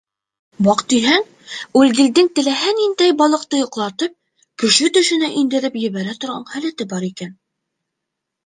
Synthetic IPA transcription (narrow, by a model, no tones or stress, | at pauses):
bɑqt̪iɦæŋ | ʉlɡɘ̆ld̪ɘŋt̪ɘ̆læɦænind̪æjbɑlˠɤ̆q̚t̪ɤjŏqlˠɑt̪ɤp̚ | kɵ̆ʃɵt̪ɵ̆ʃɘ̆næʔind̪ɘ̆ɾɘpjɘ̆βæɾæt̪ŏɾʁɑɴhælæt̪ɘbɑɾikæn